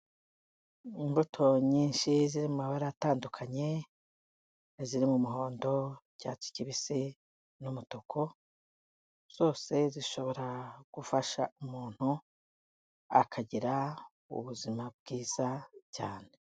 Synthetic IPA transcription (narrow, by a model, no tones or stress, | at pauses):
imbutʰo̞ɲiːnʃiziɾimumaβaɾaataːndukʰaɲe̞ | ziɾimumuɦo̞ːndo̞ | ɟ̥at͡ʃi̥ciβisi | numutokʰo̞ | z̥o̞ːse̞ziʃo̞βo̞ɾaɡ̥ufaʃaumuːn̥hu | a̰kʰaɟiɾa | ṵβuzimab̚ɡ̥iːz̥aca̰ːne̞